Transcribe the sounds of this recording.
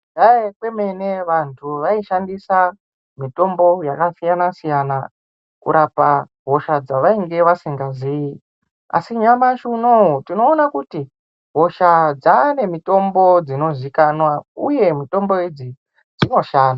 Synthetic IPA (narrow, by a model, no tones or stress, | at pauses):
daekwe̞me̞ne̞ʋantʰuʋaiʃandisa | mito̞mbo̞jakasijanasijana | kṵɾapa | ɦo̞ʃad͡zaʋaiŋɡe̞ʋasiŋɡaziji | a̰siɲamaʃunoɦutino̞ːnakuti | ɦo̞ʃad͡zane̞mito̞mbo̞d͡zino̞zikanwauje̞mito̞mbo̞id͡zi | d͡zino̞ʃaːnda